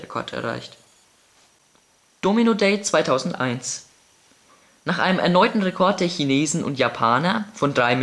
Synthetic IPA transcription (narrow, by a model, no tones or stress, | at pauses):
ekʰɔ̰ɐtʰɛ̰ɐʁa̰ɪçt | d̥ominodɛɪt͡sv̥aɪtʰaʊzn̩tʔa̰ɪns | naːχʔa̰ɪnəmʔɛ̰ɐnɔʏtn̩ʁekʰɔɐt̚d̥eːɐçineːzn̩ʔʊ̰ntjapʰaːnɐfɔndʁaɪm